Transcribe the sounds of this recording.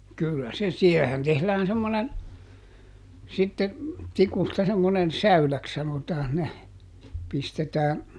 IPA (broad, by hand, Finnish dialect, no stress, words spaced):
kylːæ se siɛhehæn tehlæːn semːonen sitːe tikustɑ semːonen sæylæks sɑnotɑːn ne pistetæːn